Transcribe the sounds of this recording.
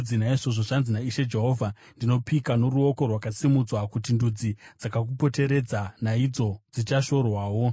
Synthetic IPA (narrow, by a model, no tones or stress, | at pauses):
d͡zinaiʐoʐoʐanzinaiʃe̞d͡ʒe̞ɦo̞ːvʱa | ndino̞pikano̞ɾuo̞ko̞rwakasimud͡zwakutindud͡zid͡zakak̬upo̞te̞ɾe̞d͡zanaid͡zo̞d͡zit͡ʃaʃo̞rwaːwo̞